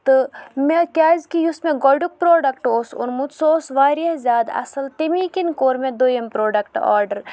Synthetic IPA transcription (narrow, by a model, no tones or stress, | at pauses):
t̪ɨmekʲaːzkijusmẽɡoɖuk̚pɾoːɖɐkʈoːsṵnmut̪soːsʋaːɾɐzʲaːd̪ɐ̰sɐlt̪imikinkoːɾmẽd̪ojɐmpɾoːɖɐkʈa̰ːɾɖɐɾ